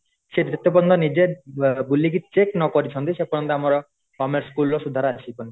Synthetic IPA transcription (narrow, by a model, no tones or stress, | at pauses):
ʃed̪ɾit̪ːɔpɔɾnd̪ɔnid͡ʒeɾbulik̬it͡ʃeknɔkɔɾit͡ʃʰɔnt̪iʃepɔɾɔnt̪ɔamɔɾɔ | fɔmeɾskulɔʃud̪ʱaɾat͡ʃʰipɔni